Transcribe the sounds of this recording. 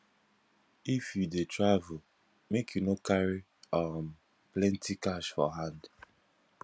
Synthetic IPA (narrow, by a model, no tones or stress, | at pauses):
ifjudetʰɹavul | mekʰjunokaɹi | am | plɛ̃ntʰikaʃfɔ̰ɦãnd